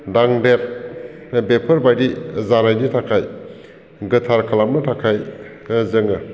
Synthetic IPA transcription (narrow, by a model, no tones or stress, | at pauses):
daŋdeɾ | bepʰɯɾbajdizaɾajditʰakʰaj | ɡɯtʰaɾkʰalamnɯtʰakʰaj | zɯŋɯ